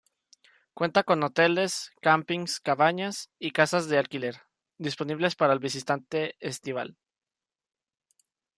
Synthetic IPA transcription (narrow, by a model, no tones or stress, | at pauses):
kwe̞nt̪ako̞no̞t̪e̞le̞skampiŋskaβaɲasikasazðe̞alkileɾ | d̪ispo̞niβ̞le̞spaɾaelβis̬it̪ant̪e̞est̪iβ̞a̰l